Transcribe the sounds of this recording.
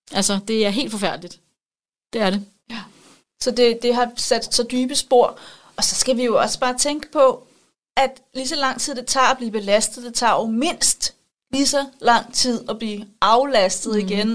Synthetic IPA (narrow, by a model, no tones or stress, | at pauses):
ʔælsɐd̥e̝æɐɦe̝̰ːld̥fɒ̽fæɐ̰d̥əlid̥ | d̥e̝æɐɾe̝ | sɒ̽d̥e̝d̥e̝ɦɑ̈sæd̥sɒ̽d̥yːb̥əsb̥o̝ɐ̰ | ɒ̽sɒ̽sɡ̥æʋijo̝ɒ̽sə̥b̥ɑ̈ːt͡sʰeŋɡ̥ə̥pʰɒ̽ | ʔæd̥ | lisɒ̽lɑ̈ŋ̰t͡sʰið̰ˠd̥et͡sʰɑ̈ːæb̥liːb̥e̝læsd̥ð̩ˠd̥et͡sʰɑ̈ɒʊme̝n̰sd̥ | lisɒ̽lɑ̈ŋ̰t͡sʰið̞̰ˠɒb̥liːɑ̈ʊlæsd̥ð̩ˠiɡ̥en